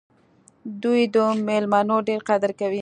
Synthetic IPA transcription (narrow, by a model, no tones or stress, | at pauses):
d̪ujd̪əmelmɑnoɖeɾqad̪əɾkawi